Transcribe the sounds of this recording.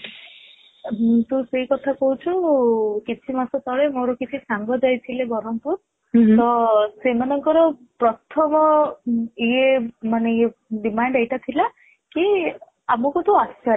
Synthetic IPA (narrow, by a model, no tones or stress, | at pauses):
t̪ũseɦikɔt̪ʰakɔɦut͡ʃʰukit͡ʃʰimasɔt̪ɔɭemoɾɔkit͡ʃʰisaŋɡɔd͡ʒajt̪ʰilebɔɾɔmpuɾ | t̪ɔsemanɔŋkɔɾɔpɾɔt̪ʰɔmɔ | iemaneɖimaɳɖejʈat̪ʰila | ki | amɔkut̪uasa